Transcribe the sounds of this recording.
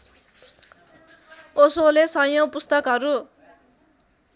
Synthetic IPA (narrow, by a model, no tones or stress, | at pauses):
osolesʌjʌ̃pust̪ʌkɦʌɾu